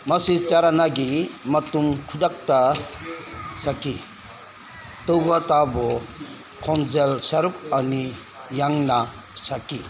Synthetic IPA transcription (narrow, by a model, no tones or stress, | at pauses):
mɐsit͡ʃaɾanaɡimɐtumkʰudak̚ta | saki | tɯwbatabɔ | kʰɔnzelsaɾup̚ani | jaŋna | saki